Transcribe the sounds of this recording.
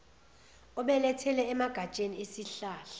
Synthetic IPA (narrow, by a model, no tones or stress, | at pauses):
ɔɓɛlɛtʰɛlɛːmaɡ̥ʱḁt͡ʃʼeniesiɬaːɬḁ